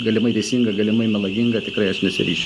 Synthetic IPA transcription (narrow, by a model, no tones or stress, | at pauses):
ɡɐlʲɪmɐɪʋʲɛɪsʲiŋɡɐɡɐlʲɪmɐɪmʲɛlˠɐɡʲɪŋɡɐt̪ʲɪkɾɐɪɐʃnʲɛsʲɪ̰ɾʲiːʃʲ